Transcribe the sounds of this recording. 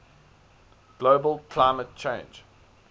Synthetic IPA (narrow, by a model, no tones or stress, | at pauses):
ɡ̥loːbəlkʰl̥aɪmət̚t͡ʃʰẽɪ̃nd͡ʒ